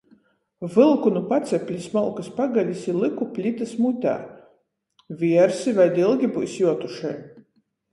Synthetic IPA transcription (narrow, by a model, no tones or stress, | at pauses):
vɨlˠkunupat̪sʲɛpʲlʲismɔlˠkaspaɡalʲisilˠɨkupʲlʲit̪asmut̪ʲæ̰ː | vʲiɛɾsivajd̪ilˠɡʲibṵjsjuɔt̪uʃɛj